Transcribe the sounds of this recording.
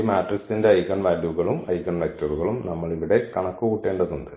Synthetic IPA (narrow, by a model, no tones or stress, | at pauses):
maːʈrisinde̞ɐjkɐnʋaːljuɣɐɭumɐjkɐnʋɐk̚tːɐruɣɐɭumnɐmːɐɭiʋiɽe̞kɐɳɐkːukuːʈːe̞ːɳɖɐðuɳɖɨ